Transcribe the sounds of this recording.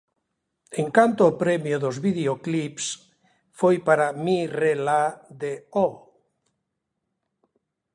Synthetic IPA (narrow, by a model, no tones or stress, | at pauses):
eŋkant̪oːpɾemjoðozβiðeoklips | fojpaɾamirelaðeo